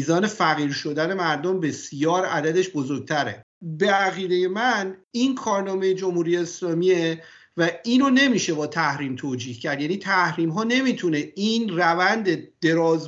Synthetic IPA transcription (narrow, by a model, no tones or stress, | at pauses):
iːzɒːne̞fæɣiːɾʃo̞d̪æne̞mæɾd̪ombe̞sjɒːɾæd̪æd̪e̞ʃbozo̞ɾɡ̚t̪ʰæɾḛ | beæɣiːd̪eje̞mæniːnkʰɒːɾnɒːme̞jed͡ʒo̞mhuːɾijeːslɒːmiːe | væiːnone̞miːʃe̞bɒːt̪ʰæhɾiːmt̪ʰoːd͡ʒiːhcʰæɾd̪jæniːt̪ʰæhɾiːmɦɒːne̞miːt̪ʰune̞inrævænd̪e̞d̪̥e̞ɾɒːz